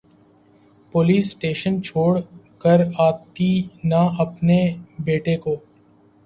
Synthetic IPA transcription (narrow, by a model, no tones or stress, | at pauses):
poliːsʈeːʃənt͡ʃʰoːɽkəɾaːt̪inaɐpnebeːʈekoː